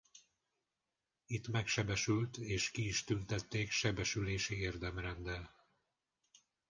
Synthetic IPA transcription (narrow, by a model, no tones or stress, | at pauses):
it̪mɛkʃɛbɛʃylt̪eːʃkiːʃt̪ynt̪ɛt̪ːeːkʃɛbɛʃyleːʃieːrd̪ɛmrɛnd̪ɛl